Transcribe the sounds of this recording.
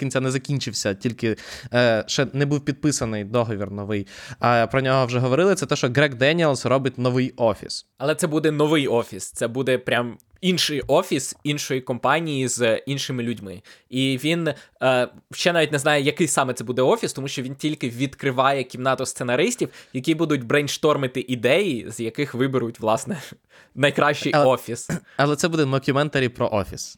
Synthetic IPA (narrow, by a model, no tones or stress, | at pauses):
kʲinʲt͡sʲanɛzɐkʲinʲt͡ʃɪwsʲɐtʲilʲkɪ | ʃt͡ʃɛnɛbuwpʲid̪̚pɪsɐnɪjd̪ɔɦɔʋʲirnɔʋɪjɐpɾɔnʲɔɦɔwʒɛɦɔʋɔɾɪlˠɪt̪sɛt̪ɛʃt͡ʃɔɡɾɛkd̪ɛnʲilˠsrɔbɪtʲnɔʋɪjɔfʲḭsɐlˠɛt̪sɛbud̪ɛnɔʋɪjɔfʲist̪sɛbud̪ɛpɾʲam | inʃɪjɔfʲisinʃɔjikɔmpɑnʲijizinʃɪmɪlʲʊdʲmɪ̰iʋʲinː | ʃt͡ʃɛnɑʋʲitʲnɛznɑjɛjɐkɪjsɑmɛt̪sɛbud̪ɛɔfʲist̪ɔmuʃt͡ʃɔʋʲintʲilʲkɪʋʲid̪kɾɪʋɑjɛkʲimnɑt̪ɔst̪senɐɾɪsʲtʲiwjɐkʲibud̪ʊtʲbɾɛnʲʃt̪ɔrmɪt̪ɪʔid̪ɛjizjɐkɪxʋɪbɪɾʊtʲʋlˠɑsnɛ | nɐjkɾɑʃt͡ʃɪjɔfʲisɐlˠɛt̪sɛbud̪ɛnɔkʲʊmɛnt̪ɐɾʲipɾɔ̰ʔɔfʲis